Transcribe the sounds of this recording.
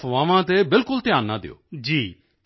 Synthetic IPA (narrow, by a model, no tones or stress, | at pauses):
ʋãːʋãːt̪ebɪlkʊlt̪ɪjaːnːãːd̪ḛo̰ːd͡ʒiː